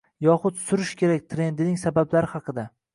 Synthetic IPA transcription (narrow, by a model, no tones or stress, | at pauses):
jɒχʊt̪sʊɾɪʃkʲe̞ɾak̚ʲt̪ʰɾe̞nd̪ɪnɪŋsabablaɾɪhɑqʰɨd̪a